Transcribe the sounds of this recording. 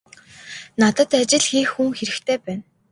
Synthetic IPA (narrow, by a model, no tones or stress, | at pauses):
nat̪ə̆t̪at͡ɕɪ̆ɮxiːxːuŋxeɾɘ̆xt̪ʰeːpæːn